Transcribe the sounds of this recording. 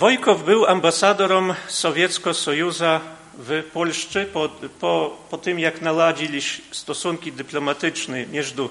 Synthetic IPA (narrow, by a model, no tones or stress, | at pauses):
vɔjkɔvbɘwambasad̪ɔɾɔmsɔvʲjɛt̪skɔsɔjuza | vɛpɔlʂt͡ʂɘpɔpɔpɔt̪ɘmjaknalad͡ʑilʲiɕst̪ɔsuŋkʲid̪ɘplɔmat̪ɘt͡ʂnɛmʲjɛʐd̪u